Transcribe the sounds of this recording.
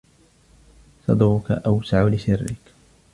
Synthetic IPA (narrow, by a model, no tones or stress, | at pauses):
sɑd̪ˤɣʊka̰ʔawsaʕʊlɪsɪrːɪ̰k